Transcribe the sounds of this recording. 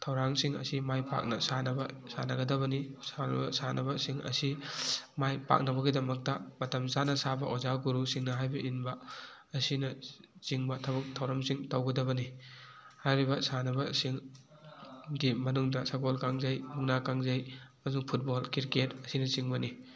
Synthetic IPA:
tʰɐwɾaŋsiŋɐ̰simajpa̰k̚nɐsanɐbɐ | sa̰nɐɡɐdɐβɐnisanbɐsanʔɐbɐsiŋɐ̰simajpa̰k̚nɐbɐɡidɐmɐk̚tɐmɐtɐmzanɐsabɐʔozawɡuɾusiŋnɐɦajbɐʔinbɐː | sinɐt͡ʃiŋbɐtʰɐbɐk̚tʰɐwɾɐmsiŋtɐwɡɐdɐβɐni | hajɾibɐsanɐbɐsiŋ | dimɐnuŋdɐsakolkaŋzɐjbuŋnakaŋzɐjmɐzuŋpʰut̚bolkiɾketɐsinɐt͡ʃiŋbɐni

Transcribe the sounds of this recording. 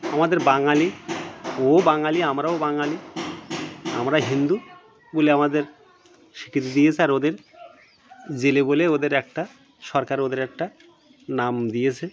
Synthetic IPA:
amad̪eɾbaŋali | obaŋaliamɾaobaŋali | amɾaɦind̪u | boleamad̪eɾ | ʃi̥kʰːit̪id̪ijet͡ɕʰeaɾod̪eɾ | d͡ʑeleboleod̪eɾɛk̚ʈa | ʃɔɾkaɾod̪eɾɛk̚ʈa | namd̪ijet͡ɕʰe

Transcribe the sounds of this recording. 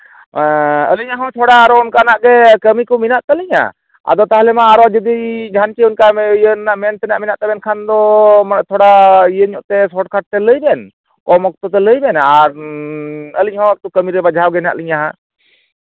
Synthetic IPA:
ə̰liɲaɦɔ̃t̪ʰɔɽaːɾɔunkanaʔɡɛkəmikɔminaʔt̪əliɲa̰ | a̰d̪ɔt̪aɦlɛmaːɾɔd͡ʒəd̪id͡ʒʱant͡ʃiunkajənːaʔmɛnt̪ɛnaʔminaʔt̪ɛbɛnkʰand̪ɔmt̪ʰɔɽaijəɲɔʔt̪ɛsɔʈkʰaʈ̚t̪ɛləjbɛn | kɔmɔk̚t̪ɔt̪ɛləjbɛnaaɾ | əliɲɦɔ̃k̚t̪ɔkəmiɾɛbad͡ʒʱawɡɛna̰ʔliɲaɦa

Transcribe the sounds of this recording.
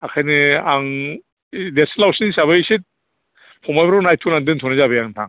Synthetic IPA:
akʰajnɯaŋ | desnlawsinsaβɯsit̚ | pʰɔmajbɾɔnajtʰunaŋdɯŋtʰɔnɯzabɯjaŋntʰaŋ

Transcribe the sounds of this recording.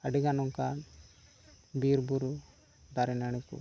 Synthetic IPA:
aɖiɡanɔŋka | biɾbuɾu | d̪aɾɛnaɽ̃ikṵ

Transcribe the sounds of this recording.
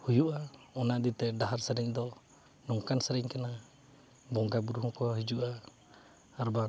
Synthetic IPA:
hujuʔaɔnad̪it̪ɛdaɦaɾsɛɾɛŋd̪ɔ | nɔŋkansaɾɛŋkana | bɔŋɡabuɾuhukɔɦid͡ʒuʔaː | ɾba

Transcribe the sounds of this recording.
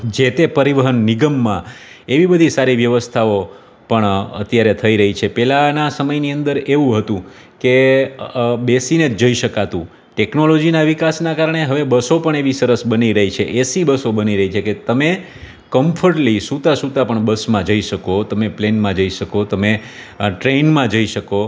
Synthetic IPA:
d͡ʒet̪epəɾiʋəɦənːiɡəmːã | eʋibəd̪ʱisaɾiʋjəʋəst̪ʰao | pəɳə̰t̪jaɾet̪ʰəiɾəɦit͡ʃʰepɛlanasəməjniənd̪əɾeʋũɦət̪ũ | ke | besined͡ʒəiʃəkat̪ũ | ʈɛknolod͡ʒinaʋikasnakaɾəɳ̃eɦəʋebəsopəɳeʋisəɾəsbəniɾəɦit͡ʃʰeʔesibəsobəniɾəɦit͡ʃʰeket̪əme | kəmpʰəɾʈlisut̪asut̪ãpəɳbəsmãd͡ʒəiʃəkot̪əmeplenmãd͡ʒəiʃəkot̪əme | ʈɾenmãd͡ʒəiʃəko

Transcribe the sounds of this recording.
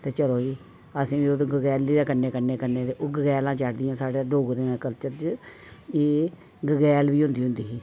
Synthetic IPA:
t̪eːt͡ʃəloːiː | əsĩːʋiːod̪õːɡəɡɛːlːiːd̪aːkənːeːkənːeːkənːeːt̪eːʔoːɡəɡɛːlãːt͡ʃəɽd̪ɪjãːsaːɽeɖoːɡɾẽːãːkəlt͡ʃəɾt͡ʃ | eː | ɡəɡɛːlʋiːɦʊ̃nd̪iːɦʊ̃nd̪iːɦiː

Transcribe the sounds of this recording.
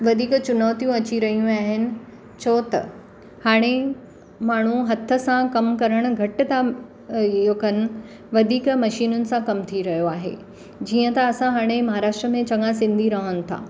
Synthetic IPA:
ʋɐd̪ʱiːkt͡ɕʊnaːt̪ijũɐt͡ɕiɾɐɦijũaːɦɪnɪ̆ | t͡ɕʰot̪ɐ̰ | haːɽ̃e | maːɳ̤ũɦɐt̪ʰə̆sãkɐmkɐɾəɽ̃ʊ̆ɡʱɐʈɪ̆t̪ʰa | jokɐnɪ̆ | ʋɐd̪ʱiːkmɐʃiːnʊnɪ̆sãkɐmt̪ʰiɾɐɦijoaːɦḛː | d͡ʑiːə̃t̪ɐɐsãɦaːɽ̃emɐɦaːɾaːʃʈɾəmẽt͡ɕɐŋasɪ̃nd̪ʱiɾɐɦənɪ̆t̪ʰa̰ː

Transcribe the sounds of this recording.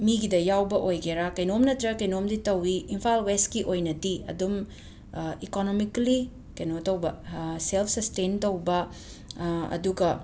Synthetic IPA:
miɡidɐjawbɐʔojɡeɾakɐjnomnɐtɾɐkɐjnomditɐwiːmpʰalwestkiʔojnɐdiɐ̰dum | ikonomikli | kɐjnotɐwbɐselpʰsɐstentɐwbɐ | ɐ̰duɡɐ

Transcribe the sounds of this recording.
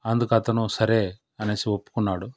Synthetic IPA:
ɐnd̪ukɐt̪ɐnusɐɾeː | ɐneːsiʋopːu̥kunːaːɽu

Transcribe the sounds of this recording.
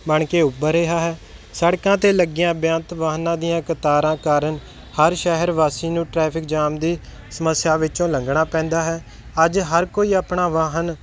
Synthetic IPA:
məɳkeːʊbːəɾeːɦaːɦɛː | səɽkãːt̪eːləɡɪjãːbjãːnt̪ʋaːɦnãːd̪ijãːkət̪aːɾãːkaːɾəɳ | həɾʃɛːɦəɾʋaːsiːnũːʈɾɛːpʰɪk̚d͡ʒaːmd̪iː | səməsjaːʋɪt͡ʃõːləŋɡɳaːpɛ̃ːnd̪aːɦɛː | əd͡ʒɦəɾkoːiːaːpɳaːʋaːɦən

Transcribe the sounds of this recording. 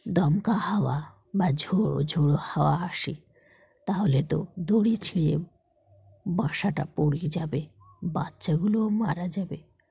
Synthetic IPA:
d̪ɔmkahawa | bad͡ʑʱoɽo̰d͡ʑʱoɽohawaaʃi | t̪aɦolet̪od̪oɽit͡ɕʰilḛ | bãʃaʈa̰poɽid͡ʑabe | batːʃaɡuloomaɾad͡ʑabe

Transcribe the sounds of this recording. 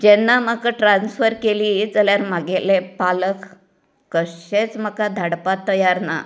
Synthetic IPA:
d͡ʑɛnːaməkaʈɾãnsfəɾkeliːd͡zəljaɾmaɡelepalək | kəɕet͡sm̤akad̪ʱaɽpat̪ːəjaɾna̰

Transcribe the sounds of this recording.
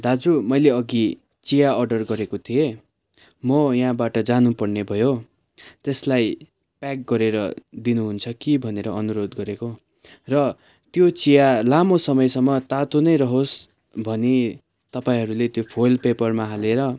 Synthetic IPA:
d̪ad͡zumʌjleʌɡi | t͡sijaʌrɖʌrɡʌɾekot̪ʰije | mʌjaɦãbaʈʌd͡zanupʌrnebʱʌjo | t̪eslaj | pak̚ɡʌɾeɾʌd̪inuɦunt͡sʰʌkibʱʌneɾʌʌnuɾod̪ɡʌɾeko | rʌ | t̪jot͡sijalamosʌmʌjsʌmːʌt̪at̪onʌjɾʌɦos | bʱʌne | t̪ʌpaĩɦʌɾulet̪jopʰolpepʌrmaɦaleɾʌ

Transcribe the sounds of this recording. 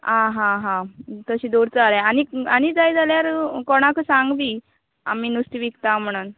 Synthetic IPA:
ãɦãɦãt̪əɕiːd̪oɽt͡səaɾeanianid͡zajd͡zaljaɾkɔɽ̃akəsaŋɡbiː | a̰miːnust̪iʋikt̪am̤əɽ̃uːn

